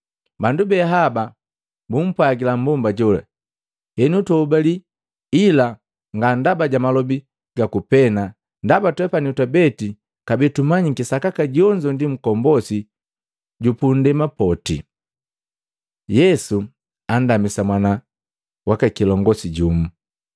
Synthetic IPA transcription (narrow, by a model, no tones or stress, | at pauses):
bandubɛɦaba | bum̩pwaɡilambɔmbaɟɔla̰ | hɛnutɔubali | ila | ŋɡandabaɟamalɔbi | ɡakupɛna | ndabatwɛpaniutabɛti | kabɛtumaɲikisakakaɟɔɲd͡ʒɔndim̩kɔmbɔsi | ɟupundɛmapɔtḭ | jɛsu | an̩damisamwana | wakakilɔŋɡɔsiɟumu